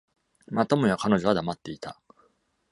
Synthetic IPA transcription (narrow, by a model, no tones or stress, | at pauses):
mat̪omojakano̞ʑo̞β̞ad̪amat̪ːe̞it̪ʰa